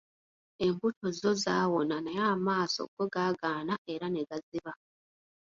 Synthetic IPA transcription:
e̞mbutʰo̞zo̞zaːwo̞nanajaːmaːso̰ɡ̥oɡaːɡaːnae̞ɾaneɡaziβa

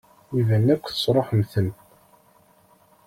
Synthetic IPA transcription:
iðənːækʷːθə̥sˤɾˤoħmθənt̪

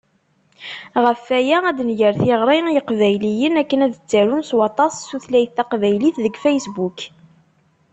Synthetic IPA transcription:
ʁəfæjææd̪njəɾθɪʁɾˤijəqvæjlijənækːənæðət͡sːæɾunswɑt̪ˤɑsːuθlæjəθæqvæjliθðəɡfæjsbuk

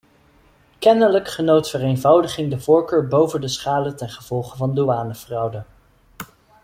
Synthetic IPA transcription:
kɛnələkχənowtfərejnvɑwdəχɪŋdəvʊːɹkøːɹbowvəndəsχaːlətɛnχəv̥ɔlˠχəvɑnduaːnəvrɑwdə

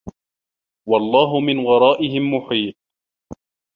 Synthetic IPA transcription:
wɑlˤːɑːɦʊmɪnɣɑɾˤɑːʔɪɦɪmːʊħiːt̪̚

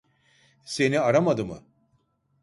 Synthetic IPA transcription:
se̞niaɾamad̪ɯmɯ̰

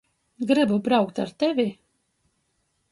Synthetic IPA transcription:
ɡɾɨbubɾawkt̪aɾt̪ɛvʲi

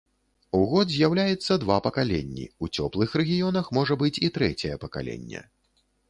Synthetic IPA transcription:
uɣɔd̪zʲjawlʲajɛt̪sːɐd̪vapɐkalʲḛnʲːḭut͡sʲɔplˠɨxrɛɣʲijɔnɐxmɔʐɐbɨt͡sʲit̪ɾɛt͡sʲɛjɛpɐka̰lʲɛ̰nʲːɛ̰

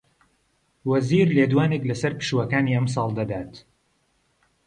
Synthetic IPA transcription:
wɐziːɾled̪waːneklɐsɐɾpɨ̥ʃuwɐkaːniːʔɐms̬ɑːlˠd̪ɐd̪aːt̪

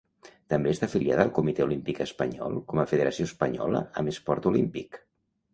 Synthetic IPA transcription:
t̪əmbest̪afilia̰ðəːlˠkumit̪ɛulimpikəspəɲɔ̰lˠkɔməfəðəɾəsioəspəɲɔ̰lə̰əməspɔɾt̪ulimpik

